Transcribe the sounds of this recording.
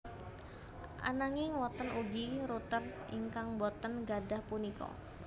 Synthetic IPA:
ʔa̰naŋiwɔt̪ənuɡiɾut̪ər | ḭŋkaŋbɔt̪ənɡadahpunikɔ̰

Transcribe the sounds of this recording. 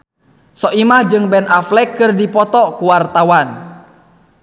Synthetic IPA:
sɔʔimahd͡ʒɨŋbɛnaflɛkːɨrdipɔt̪ɔkuwart̪awan

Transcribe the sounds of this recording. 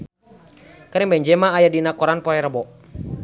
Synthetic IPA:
kaɾiŋbɛɲd͡ʒɛmaːjadinakɔɾanpɔɛɾəbɔ

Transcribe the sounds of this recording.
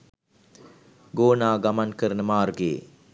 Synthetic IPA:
ɡoːnaːɡamankəɾənəmaːrɡḛː

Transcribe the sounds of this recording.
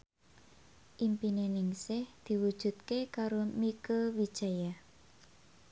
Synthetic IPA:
ʔimpinenɪŋsɪhd̪̥i̤wud̥ʒ̥ṳt̪̚kekaɾomikəwid̥ʒ̥a̤ja

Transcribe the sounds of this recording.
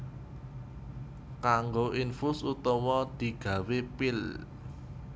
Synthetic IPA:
kaŋɡoʔinfʊsut̪ɔmɔd̪̥i̤ɡ̥ä̤wepɪl

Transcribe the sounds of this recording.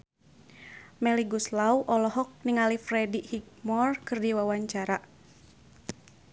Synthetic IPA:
mɛliɡuslauʔɔlɔɦɔk̚niŋalifrɛdihik̚mɔrkɨrdiwawaɲt͡ʃaɾa

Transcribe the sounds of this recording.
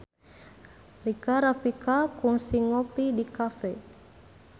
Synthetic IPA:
rikaɾafikakuŋsiŋopidikafɛ

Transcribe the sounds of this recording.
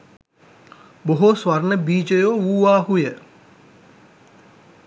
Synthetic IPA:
boɦosʋarnəbiːd͡ʒəjoːuːʋaːɦujə

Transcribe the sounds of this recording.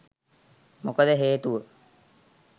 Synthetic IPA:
mokəd̪əɦeːt̪uʋə

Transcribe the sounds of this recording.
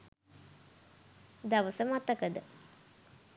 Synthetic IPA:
d̪aʋəsəmat̪ːəkəd̪ə

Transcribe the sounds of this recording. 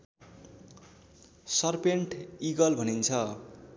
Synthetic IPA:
sʌrpeɳʈiɡʌlbʱʌnint͡sʰʌ

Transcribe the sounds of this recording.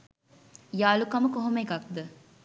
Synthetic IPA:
ijaːlukɐməkoɦomekak̚d̪ə

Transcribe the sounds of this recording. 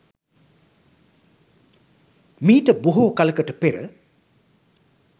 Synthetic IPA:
miːʈəbuɦuːkaləkəʈəpeɾə̰

